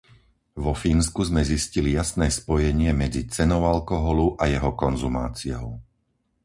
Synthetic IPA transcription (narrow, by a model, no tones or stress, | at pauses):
ʋɔfiːnskuzmɛziscilijasnɛːspɔjɛɲɪɛmɛd͡zit͡sɛnɔʊalkɔɦɔluʔajɛɦɔkɔnzuma̰ːt͡sijɔ̰ʊ